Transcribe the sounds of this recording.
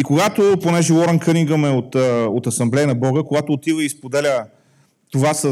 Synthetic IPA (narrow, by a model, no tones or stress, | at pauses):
ikoɡat̪oponɛʒɛwˠɔɾɐnkəniɡəmɛot̪əot̪ɐsɐmblɛjənɐbɔɡəkoɡat̪oːt̪ivəispod̪ɛlʲə | t̪ovasə